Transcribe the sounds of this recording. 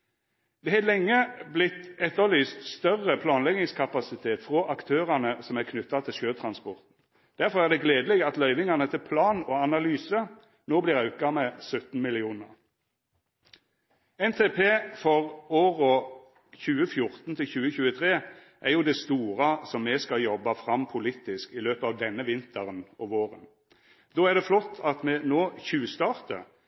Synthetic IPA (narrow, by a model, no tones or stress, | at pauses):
d̪ɛːhɛlɛŋːəblɪt̪ɛt̪ːəlyːst̪st̪œʁːəpʰlɑːnlɛɡɪŋskʰɑpɑsɪt̪ʰeːt̪fʁoːʔɑkt̪ʰøːʁɑnəsɔmækʰnʉt̪ːɑt̪ʰɪlʃøːt̪ʰʁɑnspɔʁt̪n̩ | d̪̥æʁfɔʁæʁd̪ɛɡleːd̪lɛɡɑt̪lœʏʋɪŋɑʁnət̪ʰɪlpʰlɑːnɔɑnɑlyːsə | noːblɪːʁɑʉt̪̚ɡɑmɛsœt̪n̩mɪlɪuːnə̰ʁ | ɛnt̪ʰeːpʰeːfɔʁoːʁʊ | çʉːəfjʊʁt̪n̩t̪ʰɪlçʉːəçʉːət̪ʰʁeː | ʔæʁjʊd̪æɛɪst̪uːʁɑsɔmːɛskɑljɔbːɑfʁɑmpʰʊliːt̪ɪskɪløːpəɑːʋd̪ɛnːəʋɪnt̪ʰəʁənɔʋoːʁə̰n | d̪oːæʁd̪ɛflɔt̪ʰːɑt̪mɛnoːçʉːst̪ɑːʁt̪ə̰